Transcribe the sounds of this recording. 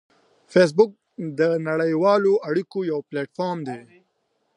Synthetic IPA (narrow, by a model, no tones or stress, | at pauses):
fes̬bʊk̚ | d̪ənaɽəjwɑːloʔaɽikojawpleʈfaɾmd̪e